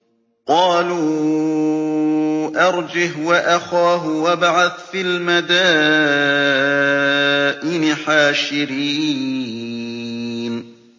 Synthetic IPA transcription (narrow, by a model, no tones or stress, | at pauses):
qɑːluː | ʔɑɾˤd͡ʒɪɦwaʔaxaːɦʊwabaʕaθfilmad̪aː | ʔɪnɪħaːʃɪɾiː | n